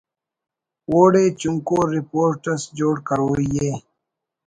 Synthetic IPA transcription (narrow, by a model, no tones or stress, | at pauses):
woːɽeːt͡ɕuŋkoːɾipoːɾʈɐsd͡ʑoːɽkɐɾoːijeː